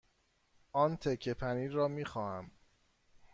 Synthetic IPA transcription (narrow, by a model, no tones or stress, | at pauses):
ɒːnt̪ʰekʰːepʰæniːɾɒːmiːxɒːhæm